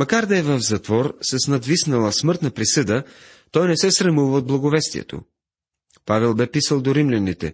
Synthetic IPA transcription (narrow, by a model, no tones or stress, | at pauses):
mɐkaɾd̪ɐɛvɐvzɐt̪vɔɾsɐsnɐd̪visnɐlˠəsmɤɾt̪nɐpɾisɤd̪ə | t̪ɔjnɛsɛsɾɐmuvəod̪̚blˠɐɡovɛst̪ḭɛ̰t̪o̰ | pavɛlˠbɛpisəlˠd̪oɾimlʲɛnit̪ɛ̰